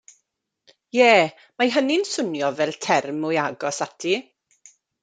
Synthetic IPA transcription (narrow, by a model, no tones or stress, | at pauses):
jɛː | majɦənɪnsʊnjɔvɛlˠtʰɛrmʊjaɡɔsatʰi